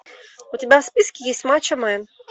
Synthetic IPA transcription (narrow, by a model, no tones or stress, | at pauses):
ʊt̪ʲɪbʲaspʲiskʲɪjesʲtʲmat͡ɕɐmɛjɛ